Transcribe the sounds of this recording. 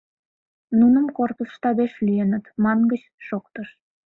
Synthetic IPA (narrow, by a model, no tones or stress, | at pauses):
nunəmkorp̪əsʃt̪ɑβeʃlienət̪mɑnɡət͡ɕ | ʃokt̪əʃ